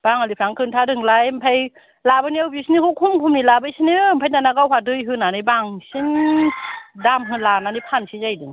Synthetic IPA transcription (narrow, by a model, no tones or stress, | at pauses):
b̥aŋalipʰɾaŋkʰɯntʰadɯŋlajmpʰaj | labɯniawbjusinikʰɯkʰumkʰumnilabɯjsinɯmpʰajnanaɡawɦwadɯjɦɯnanɯjbaŋsin | damɦɯlananipʰansʰizajdɯŋ